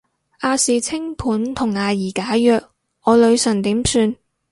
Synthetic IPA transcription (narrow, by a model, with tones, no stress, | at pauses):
ʔaː˧siː˨t͡sʰɪ˥ŋpʰuː˨˥nt̪ʰʊ˨˩ŋːaː˨˧jiː˨˩kaː˨˥jœː˧k̚ | ʔɔː˨˧lɵ˨˧ɥsɐ˨˩nt̪iː˨˥msyː˧n